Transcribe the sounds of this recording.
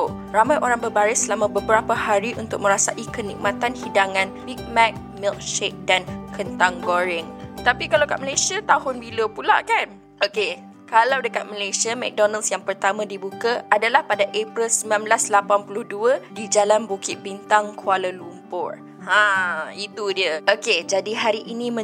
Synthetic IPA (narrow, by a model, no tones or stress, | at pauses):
ramajʔoɾaŋbərbaɾɪsəlamãbəbəɾapahaɾiʔunt̪ʊk̚mə̃ɾasaʔikənḭk̚mãt̪anhidaŋãnbik̚mɛk̚ | milk̚ʃek̚dankʰənt̪aŋɡoɾɪŋət̪apikalawka̰ʔməlasiat̪aɦʊnbiləpula̰ʔkan | ʔoke | kalawdəkat̪̚məlasiamɛ̰k̚dɔnalsjaŋpərt̪amãdibukaʔadalahpadaʔepɾəlsəmlamblaslapanpulʊhduədid͡ʒalanbukɪt̪̚bint̪aŋkʰualəlumpʊr | hãit̪udiəoked͡ʒadiɦaɾiʔinĩmə̃